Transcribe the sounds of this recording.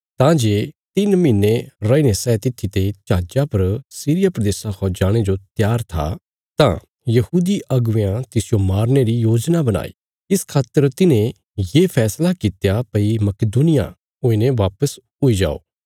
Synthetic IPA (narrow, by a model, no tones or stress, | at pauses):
t̪ãd͡ʒeːt̪ɪnmɪnːeɾɐːinẽsɛt̪ɪt̪ʰːit̪et͡ʃaːd͡ʒapɐɾsiːɾɪjapɾɐd̪eːsakʰɔd͡ʒaːɽ̃ed͡ʒot̪jaːɾt̪ʰa̰ | t̪ã̰ | jɐhuːd̪iʔɐɡʊʋeãt̪ɪsɪjomaːɾneɾijoːd͡ʒnabɐña̰ːḭ | ɪskʰaːt̪ːəɾt̪ɪnẽ | jeːpʰɛːslakɪt̪japɐimɐkɪd̪unɪja̰ | ʊĩnẽʋaːpəs | ʊid͡ʒa̰ːo̰ː